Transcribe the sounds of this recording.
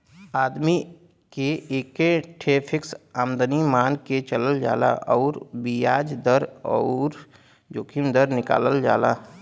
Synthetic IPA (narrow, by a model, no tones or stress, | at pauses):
aːd̪mi | keeːkːeʈʰeːpʰɪksaːmd̪nimaːnket͡ʃələld͡ʒa̰ːla̰ʔɔːɾbijaːd͡ʒd̪əɾɔ̰ːɾ | d͡ʒoːkʰɪmd̪əɾnɪka̰ːləld͡ʒa̰ːlaː